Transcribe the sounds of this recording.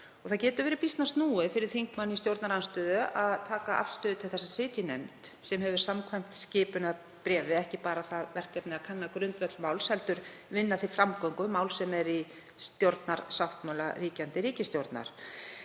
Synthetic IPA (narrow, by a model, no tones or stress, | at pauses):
ɔɣθaðcɛːt̪ʏɾvɛːɾɪpist̪nast̪nuːɪfɪɾɪɾ̥θiŋkmanːist̪jowɾt̪naɾanst̪œːðʏaðt̪ʰaːkaʔa̰fst̪ʏːðɪt̪ʰɪlθɛsːasɪːt̪jɪnɛnt̪sɛmɦɛvɪɾ̥samkʰvajm̥t̪scɪːpʏnað | pɾɛːvɪɛhcɪpaːɾaθaðvɛr̥kaɾnɪakʰanːakɾʏnt̪vɛt̪lmawlshɛlt̪ʏɾ̥vɪnːaθifɾamkɔŋkʏmaːwlsɛmɛɾi | st̪jowɾt̪naɾ̥sawht̪mawlariːcant̪ɪɾiːcɪst̪jowɾt̪na̰ɾ̥